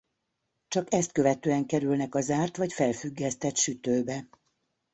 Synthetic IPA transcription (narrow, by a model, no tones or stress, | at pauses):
t͡ʃɒkɛst̪̚køvɛt̪øːɛŋkɛɾylnɛkɒzaːrt̪ʋɒcfɛlfyɡːɛst̪ɛt̪ʃyt̪øːbɛ